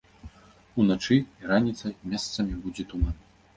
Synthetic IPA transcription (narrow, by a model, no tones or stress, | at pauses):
unat͡ʂɨiɾanʲit̪sɐjmʲast̪sɐmʲibud͡zʲɛt̪umanɐ